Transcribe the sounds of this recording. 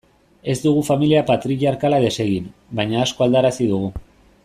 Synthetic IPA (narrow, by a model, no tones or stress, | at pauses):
e̞zd̪uɣ̞ufamiliapat̪ɾiʎaɾkalaðe̞se̞ɣinbajɲaːsko̞ald̪aɾasiðuɣ̞u